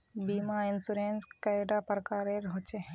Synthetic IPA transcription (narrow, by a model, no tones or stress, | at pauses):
biːmaɪnsʊɾẽːnskɛɖapɾəkaːɾeɾɦoːt͡ʃeɦɛ̃